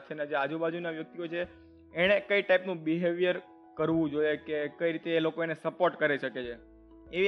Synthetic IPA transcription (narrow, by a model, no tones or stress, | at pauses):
t͡ʃʰened͡ʒead͡ʒubad͡ʒunaʋjək̚t̪iot͡ʃʰeː | ɽ̃ekəiʈaipnũbiɦeʋijəɾ | kəɾʋũd͡ʒoiekekəiɾit̪eːlokoenesəpoɾʈkəɾiʃəket͡ʃʰe | ei